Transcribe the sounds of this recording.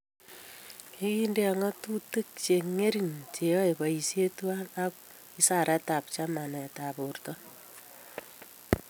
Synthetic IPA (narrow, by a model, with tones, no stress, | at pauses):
i˦ki˦nde˦a˨ŋɔ˦tu˦tɨ˦k̚t͡ʃe˨ŋe˦ɾi˨nt͡ʃe˨jɔ˦e˨ba˨i˨sje˦tu˦a˦na˦k | i˦sa˦˨ɾa˦ta˨pt͡ʃa˦ma˨nɛ˨ta˨bu˨rtɔ˦